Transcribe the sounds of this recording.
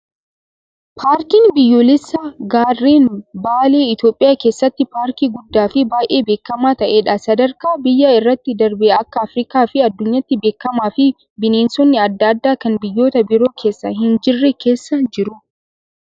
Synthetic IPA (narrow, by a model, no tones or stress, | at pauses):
pʰaːɾkiːnbɪjːoːlɪsːɐɡaːrːeːnbaːleːɪt̪joːpʼːɪjaːkeːsːɐt̪ːɪpaːɾkiːɡʊd̪ːaːfɪbaːjʔe̞ːbe̞ːkːɐmaːt̪ɐʔeːᶑɐsɐd̪ɐɾkaːbɪjːɐɪrːɐt̪ːɪd̪ɐɾbeɐkːɐːfɾɪkaːfɪɐd̪ːʊɲːɐt̪ːɪbe̞ːkːɐmaːfɪ | bɪneːnsɔnːɪɐd̪ːɐd̪ːaːkɐnbɪjːo̞ːt̪ɐbɪɾo̞ːkʰe̞ːsːɐɦɪnd͡ʒɪrːɛkʰe̞ːsːɐnd͡ʒɪɾʊ